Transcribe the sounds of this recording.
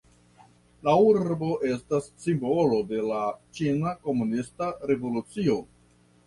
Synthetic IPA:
lauɾɾbo̞ʔe̞stasːimbo̞lo̞de̞lat͡ʃinako̞munistaɾe̞vo̞lut͡sio̞

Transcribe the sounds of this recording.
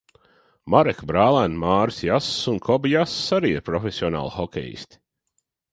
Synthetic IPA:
maɾɛkbɾaːlˠænmaːɾsjasːunkʰɔbjasːaɾiːḭɾpɾɔfʲesʲiɔna̰ːlˠxɔkʲɛ̰jḭsʲt̪ʲi̥

